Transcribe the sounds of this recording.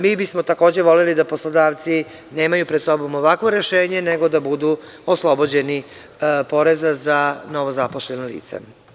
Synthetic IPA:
miːbismo̞t̪ako̞ːd͡ʑe̞ʋo̞lelid̪apo̞slˠod̪aːʋt̪si | ne̞ːmajupɾed̪so̞bo̞moʋakʋo̞ɾe̞ʃeːɲeneɡo̞d̪abud̪u | oslˠo̞bo̞d͡ʑe̞ni | po̞ɾe̞zazano̞ʋo̞zapoʃʎe̞nolḭːt̪sḛ

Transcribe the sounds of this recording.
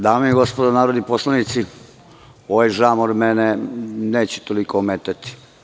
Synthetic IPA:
d̪aːmejeɡospod̪onaːɾod̪niposlˠanit̪si | oʋajʒamoɾmeneneːt͡ɕe̥t̪olikomet̪at̪i̥

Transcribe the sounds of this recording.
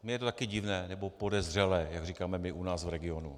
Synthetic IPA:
mɪjɛt̪ot̪akɪɟɪvnɛːnɛbo̞podɛzr̝ɛlɛːjaɡriːkaːmɛmɪʔunaːsvɾɛɡɪo̞nṵ

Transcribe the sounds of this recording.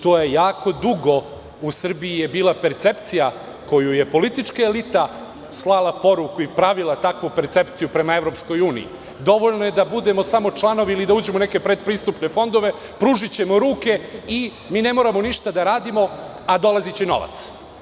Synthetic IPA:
t̪oːje̞jaːko̞d̪uɡo̞ | usr̩biijebiːlˠape̞ɾt̪se̞pt̪sija | ko̞juje̞po̞lit̪it͡ʂkaelit̪a | slˠalˠapo̞ɾukuipɾaʋilat̪akʋupe̞ɾt̪se̞pt̪sijupɾe̞mae̞ʋɾo̞psko̞juːnḭḭ | d̪o̞ʋoʎno̞je̞d̪abud̪e̞mo̞samo̞t͡ʂlˠano̞ʋiilid̪auːd͡ʑemoneke̞pɾed̪pɾiːst̪upne̞fo̞nd̪o̞ʋe̞ | pɾuʒit͡ɕe̞moɾuːke̞i | miːne̞mo̞ːɾamoniʃt̪ad̪aɾaːd̪imo̞ | ad̪o̞lˠazit͡ɕeno̞̰ʋa̰t̪s

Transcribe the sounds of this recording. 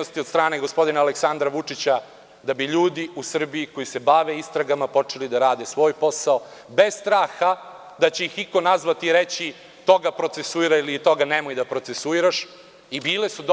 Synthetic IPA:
ost̪iod̪st̪ɾaːne̞ɡo̞spo̞d̪inaːleksand̪ɾaʋut͡ʂit͡ɕa | d̪abiʎuːd̪iusr̩biiko̞jise̞baʋe̞ist̪ɾaɡamapo̞t͡ʂe̞lid̪aɾaːd̪e̞sʋo̞ːjpo̞sao | be̞zst̪ɾaːxa | d̪at͡ɕeixiko̞nazʋat̪iɾet͡ɕi | t̪o̞ɡapɾo̞t̪sesuiɾailit̪o̞ɡanemojd̪apɾo̞t̪sesuiɾaʃ | ibiːlesud̪

